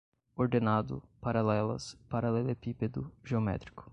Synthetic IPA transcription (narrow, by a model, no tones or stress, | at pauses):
oɾd̪enad̪ʊ̰paɾalɛlɐ̰spaɾɐlelepiped̪ʊʒeomɛ̰t̪ɾi̥kʊ̥